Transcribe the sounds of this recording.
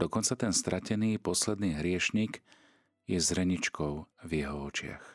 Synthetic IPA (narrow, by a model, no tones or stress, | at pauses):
d̪ɔkɔnt͡sat̪ɛnst̪ɾʔacɛniːpɔslɛd̪niːɦɾɪɛʃɲiɡ | jɛzɾɛɲit͡ʃkɔʊvjɛɦɔɔt͡ʃɪa̰x